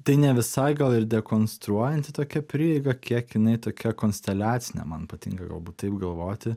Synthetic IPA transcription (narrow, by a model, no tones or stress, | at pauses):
t̪ɐɪnʲɛʋʲɪsɐɪɡɐlˠɪɾd̪ʲɛkoːnst̪ɾuɔjɛnʲt̪ʲɪt̪oːkʲɛpʲɾʲɪɛɪɡɐkʲiɛkjɪnɐɪt̪oːkʲɛkoːnʲsʲt̪ʲɛlʲæːt̪sʲɪnʲɛ̰mɐnpɐt̪ʲɪ̰ŋkɐɡɐ̰lˠbuːt̪t̪ɐɪpɡɐlˠʋoːt̪ʲɪ